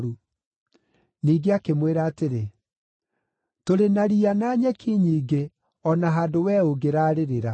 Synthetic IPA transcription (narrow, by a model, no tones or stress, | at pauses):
ɾu | niːɡeakemweɾaːteɾe | toɾenaɾianaːɲɛkʰiɲiːɡe | ɔnaɦaːdowɛːoɡeɾaːɾeɾeɾa